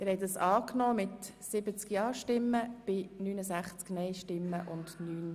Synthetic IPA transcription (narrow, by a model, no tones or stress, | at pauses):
ɪɾhɛɪt̚ɑsɑːknɔːmɪt̪sɪbət͡skjɑːʃtɪmːəb̥ɪnyːnəsæχt͡sknɛɪʃtɪmːəʔʊndnyːn